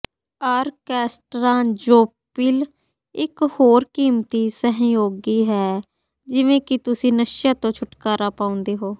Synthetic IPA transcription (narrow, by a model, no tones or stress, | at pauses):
aːɾkɛːsʈɾãːd͡ʒoːpɪːl | ɪkhoːɾkiːmt̪iːsəɦjoːɡiːɦɛː | d͡ʒɪʋẽːkɪt̪ʊsĩːnəʃjaːt̪õːt͡ʃʰʊʈkaːɾaːpaːʊ̃nd̪eːɦoː